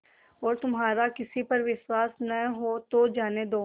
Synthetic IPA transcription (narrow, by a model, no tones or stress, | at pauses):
ɔːɾt̪ʊmɦaːɾakɪsipɐɾʋɪʃwaːsnɐɦot̪od͡ʒaːned̪oː